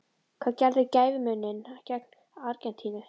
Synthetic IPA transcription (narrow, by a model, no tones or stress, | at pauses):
kʰv̥aːðcɛɾðɪcaːjvɪmʏnːɪncɛk̚n̥ | aɾcɛnt̪ʰiːnɪ̥